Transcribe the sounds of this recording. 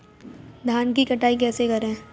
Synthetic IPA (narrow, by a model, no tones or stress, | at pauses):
d̪ʱaːnkikɐʈaːik̬ɛːsekɐɾɛ̃ː